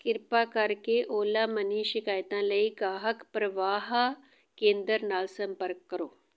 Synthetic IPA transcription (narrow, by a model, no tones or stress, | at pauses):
kɪɾpakɐɾkeʔoːlamɐniːʃɪkaːjt̪ãləiɡaːɦəkpɾɐʋaːɦ | kẽːnd̪əɾnaːlsɐ̃mpəɾkːəɾoː